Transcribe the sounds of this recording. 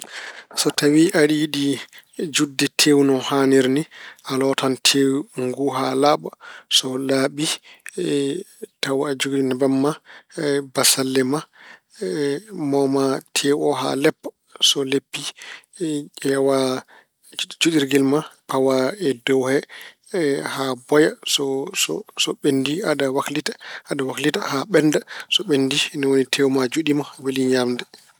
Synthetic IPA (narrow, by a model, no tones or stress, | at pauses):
sɔtawiʔaɗiɗid͡ʒudːɛtʰewnɔhaniɾniʔalɔtantʰewŋɡuɦalaɓasɔlaɓi | tawad͡ʒuɡɗinɛbamːa | basalːɛma | mɔmatʰewɔɦa̰lɛpː | sɔlepːi | ʔɛwa | d͡ʒuɗiɾɡɛlmapawaɛdɔwhɛ | habɔjasɔsɔsɔɓenːdiadawaklitḁadawaklitahaɓɛndasɔɓendinɛwonitʰɛwmad͡ʒuɗimaweliɲamdɛ